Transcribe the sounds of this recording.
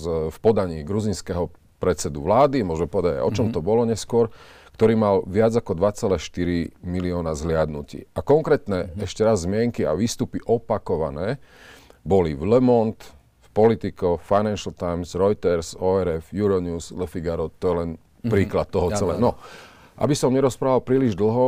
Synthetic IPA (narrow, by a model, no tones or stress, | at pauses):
fpɔd̪aɲiːɡɾuzinskɛɦɔ | pɾɛt̪t͡sɛd̪uʋlaːd̪imʊɔʒmɛpɔʋɛd̪aɟa̰ɪɔt͡ʃɔmt̪ɔbɔlɔɲɛskʊɔɾkt̪ɔɾiːmalʋɪad͡zakɔd̪ʋat͡sɛlɛʃt̪iɾimiliɔnazɦlɪad̪nucḭːakɔŋkɾɛːt̪nɛɛʃcɛɾazːmɪɛŋkia̰ʋiːst̪upiʔɔpakɔʋa̰nɛː | bɔliʋlɛmɔnt̪ | fpɔlit̪ikɔfaɪjnanʃalt̪ajmsɾɔjt̪ɛɾsɔɛɾɛfjuɾɔɲuːslɛfiɡaɾɔt̪ɔjɛlɛn | pɾiːklat̪̚ːɔɦɔt͡sɛlɛ̰nɔ | ʔa̰bisɔmɲɛɾɔspɾaːʋalpɾiːliʒd̪l̩ɦɔ